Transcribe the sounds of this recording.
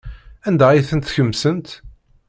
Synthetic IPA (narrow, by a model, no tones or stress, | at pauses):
ænd̪æiθənt̪θçəmːsənt̪